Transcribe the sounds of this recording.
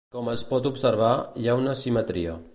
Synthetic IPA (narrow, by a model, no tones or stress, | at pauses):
kɔməspɔt̪upsəɾβajaunəsimət̪ɾiə